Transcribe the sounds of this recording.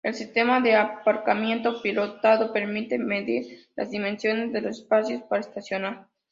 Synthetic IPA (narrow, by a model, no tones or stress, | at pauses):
e̞lsist̪e̞maðeapaɾkamje̞nt̪o̞pilot̪aðo̞pe̞ɾmit̪eme̞ðiɾlʔa̰zðimẽ̞nsjo̞ne̞zðelosespasjo̞spaɾaest̪asjonaɾ